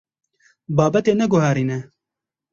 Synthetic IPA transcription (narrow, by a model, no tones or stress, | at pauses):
bɑːbɛt̪eːnɛɡʊɦɛːɾiːnɛ